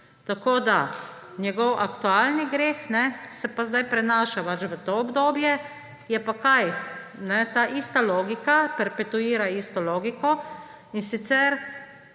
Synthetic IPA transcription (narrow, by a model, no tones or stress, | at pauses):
t̪akoːd̪a | njɛɡɔwʔakt̪uaːlniɡɾeːxnɛsɛpazd̪ajpɾɛnaːʃapat͡ʃʋət̪oːbd̪oːbjɛ | jɛpakaj | nɛt̪aːʔist̪aloːɡikapɛɾpɛt̪uiːɾaiːst̪ɔloːɡikɔ | insit̪sɛɾ